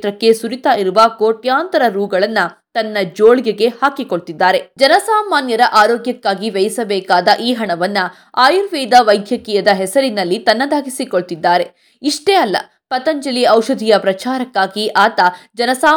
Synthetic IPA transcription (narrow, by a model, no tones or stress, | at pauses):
t̪ɾɐkːe̞suɾit̪aːiɾuʋɐkoːʈjaːnt̪ɐɾɐɾuːɡɐɭɐnːɐt̪ɐnːɐd͡ʒoːɭɡeɡe̞haːkiko̞ɭt̪id̪ːaːɾe̞d͡ʒɐnɐsaːmaːnjɐd̪ɐʔaːɾoːɡjɐkːaːɡiʋɛjɐsɐbɛːkaːd̪ɐʔiːɦɐɳɐʋɐnːu | aːjuɾʋiːd̪ɐʋɐjd̪ʱjɐkiːjɐd̪ɐɦɛsɐɾinɐlːit̪ɐnːɐd̪aːɡisiko̞ɭt̪id̪ːaːɾe̞ | iʂʈeːɐlːɐ̰ | pɐt̪ɐɲd͡ʒɐliɐwʃɐd̪ʱijɐpɾɐt͡ʃaːɾɐkːaːɡiʔaːt̪ɐd͡ʒɐnɐsaː